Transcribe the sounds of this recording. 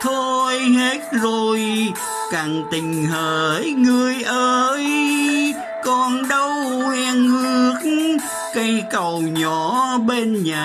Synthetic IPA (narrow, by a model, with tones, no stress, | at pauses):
t̪ʰo˧jhe˦˥t̚zo˨˩j | kaː˨˩ŋt̪ï˨˩ŋ̟həː˨˩ŋɨ˨˩əjʔəː˧j | kɔ˨˩nɗə˧whɛ˧ŋhɨ˦˥ək̚ | kə˧jkə˨˩wɲɔ˧˨˦ɓe˧nɲaː˨˩